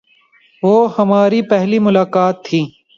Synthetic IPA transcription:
ʋoːhɐmaːɾipɛɦlimʊlaːkaːt̪ʰːiː

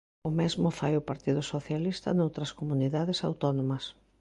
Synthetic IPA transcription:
ʊmezmʊfajʊpaɾt̪iðʊsoθjalist̪ɐ̰nowt̪ɾɐskomuniðaðɪsawt̪ɔnomɐs

